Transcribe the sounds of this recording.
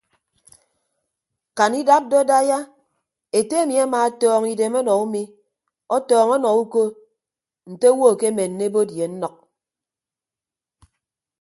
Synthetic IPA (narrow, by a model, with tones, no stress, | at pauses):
ka˨ni˦da˦p̚dɔ˦da˦ja˦ | e˨te˦e˦mi˨a˦maː˨ɔ˦tɔː˦ŋi˨de˨mɔ˦nɔ˨u˦mi˦ | ɔ˦tɔː˨ŋɔ˦nɔ˨u˦ko˦ | n̩˨te˦wo˦˨ke˦me˨n̩ː˨e˦bo˦dje˨n̩˦nɔ˨k̚